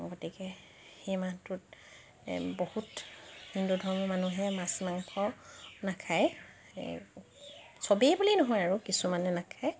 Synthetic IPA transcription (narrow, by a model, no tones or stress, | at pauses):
ɡotikɛ | xejmatʊt | bohuthindudʱɔɹmɔmanuɦɛmasmaŋatʰɔnakʰaj̰ | sobiejbulinɔɦɔjaɹukisumanɛnakʰaj